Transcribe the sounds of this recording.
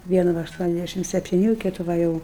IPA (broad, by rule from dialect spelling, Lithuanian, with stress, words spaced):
ˈʋʲiɛnʊ ˈʋɐ ɐʃˈtuɔnʲɛzʲˌdʲæʃʲɪm sʲɛpʲtʲɪˈnʲuː ˈkʲɪtʊ ˈʋɐ jɛʊ